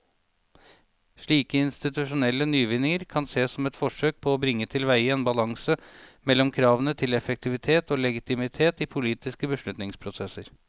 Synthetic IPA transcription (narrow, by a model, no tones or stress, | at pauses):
ʂɭiːkəɪnst̪ɪt̪ʉʂʊnɛlːənyːʋɪnɪŋəɾkʰɑnseːsɔmɛt̪fɔʂøːk̚pʰɔːbɾɪŋːət̪ʰɪlʋæɪəeːnbɑlɑŋsəmɛlːɔmkʰɾɑːʋənət̪ʰɪlɛfək̚t̪ʰɪʋɪt̪ʰeːt̪oːlɛɡɪt̪ɪmɪt̪ʰeːt̪iːpʰʊliːt̪ɪskəbəʂlʉt̪nɪŋspʰɾʊsɛsəɾ